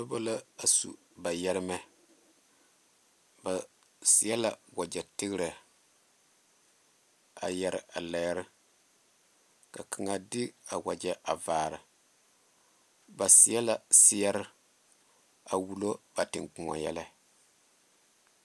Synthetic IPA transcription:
ba˦bo˦la˦a˨sṵ˨ | ba˨jɛ˦ɾɪ˦mɛ˦ | ba˨ | si˨jɛ˦la˨wa˨d͡ʒɛ˨tɪ˦ɡɾɨ˨ | a̰˨jɛ˨ɾɪ˨ʔa˨lɛ˨˦ɾɪ˦ | ka˨kʰa˨ŋa˨dɪ˦a˨wa˨d͡ʒɛ˦ʔa˨vaː˨ɾɨ˨ | ba˨sɪ˨˦ɛ˦la˨sɪ˦jɛ˦ɾɪ˦ | a˨wu˦lo˦ba˨tɪ˨ŋk͡pu˨ŋɔ̰˨jɛ̰˦la˦

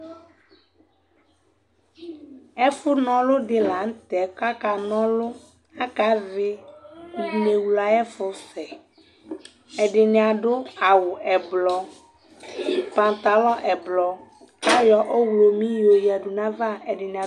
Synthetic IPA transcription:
ɛ˦fu˦nɔ̃˦lo˦ɖɪ˨la˨ŋ̩˦t̪ɛ˨˦ka˦ka˨nɔ̃˦lo˦ | a˦ka˨˦vɪ˦˨ | ne˨wu˨la˨ɛ˦fo˦fɛ˨ | ɛ˨ɖɪ˨nẽ˨ã˨ɖo˦a˨wu˨ʔɛ˨blɔ˦ | pã˨t̪a˨lɔ˦ʔɛ˨blɔ˨ | ka˦jɔ˨ʔo˦wlo˨mĩ˦jo˨ji˨a˨ɖu˨nã˦va˦ɛ˨ɖɪ˨ñ˨a˨

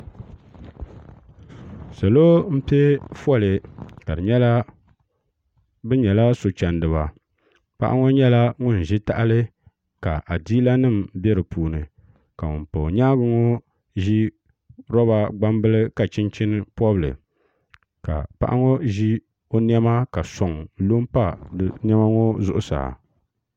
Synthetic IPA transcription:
sa˨loː˦m̩˦pe˦fɔ˦˨lɨ˨ka˨dɨ˨ɲɛ˦la˦ | bɨ˦ɲɛ˨la˦so˨t͡ʃa˨ndɨ˨βa˨ | pa̰˦ʔa̰˦ŋo˦ɲɛ˦la˦ŋʊ˦n̩˨ʒi˦ta˦ʔa˦lɨ˦ | ka˨ʔa˨diː˦la˦nɨ˦˨m˨bɛ˦ɾɨ˨puː˨nɨ˨ | ka˨ŋʊ˨npo˨ɲaː˦ɡʊ˦ŋo˦ | ʒi˦ | ɾɔ˦βa˦ɡ͡ba˦mbɨ˦lɨ˦ka˨t͡ʃɪ˦nt͡ʃɪ˦n˦pɔ˦blɨ̰˨ | ka̰˨pa̰˦ʔa̰˦ŋo˦ʒi˦ | o˦n˦ɛ˦ma˦ka˨sɔ˨ŋ˦lo˦m˦pa˦˨n˦ɛ˦ma˦ŋo˦zʊ˦ʔʊ˦sa̰˨

